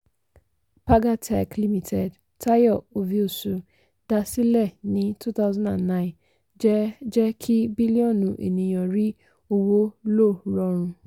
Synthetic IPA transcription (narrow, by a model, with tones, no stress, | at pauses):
pa˦ɡa˦tʰa˨kli˦mi˨tʰɛ˨d | tʰa˦jɔ˦˨o˨vi˦o˨su˨ | da˨si˦lɛ˦˨nɪ̃˨˦tu˦t̪a˦ʊzɔ̃˦nã̰˨nːã˦ɪ̃˨n | d͡ʒɛ˦d͡ʒɛ˦kʰi˦bi˦li˦ɔ̃˦˨nũ˨ʔḛ˨nĩ˨jɔ̃˨ɾi˦ | o˦wo˦lo˦˨ɾɔ˨ɾ̃ũ˧